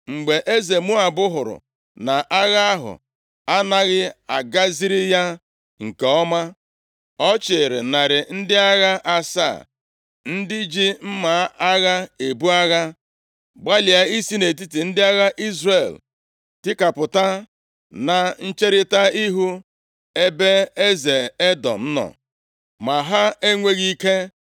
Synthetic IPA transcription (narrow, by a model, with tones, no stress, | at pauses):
ŋ͡m̩˨ɡ͡be˨ʔe˦ze˨mu˦a˨bʊ˦ɦʊ˨ɾʊ̰˨ | na˨ʔa˦ɣa˦a˦ɦʊ̰˨ | a˦na˦ɣɪ˦a̰˨ɡa˦zi˦ɾɪ˦ja˦ | ŋ̩˨ke˨ɔ˦ma˦ | ɔ˦t͡ʃɪ˨ɾɪ̰˨na˨ɾɪ˨n̩˦dɪ˦a˦ɣa˦ʔa˦sa̰ː˦˨ | n̩˦dɪ˦d͡ʒi˦m̩˦ma˨˦a˦ɣa˦e˨bu˦a˦ɣa˦ | ɡ͡ba˦li˨a˨i˦si˦ne˨t̬i˦ti˨n̩˦dɪ˦a˦ɣa˦ʔi˦zre˨l | tɪ˦ka˨pʊ˨ta˦ | na˨n̩˦t͡ʃe˦ɾɪ˦ta˦i˦ɦu˦ | e˦be˦e˦ze˨e˦dɔ̰˨n̩˦nɔ̰˨ | ma˨ɦa˦e˦ŋʷe˦ɣi˦ke˦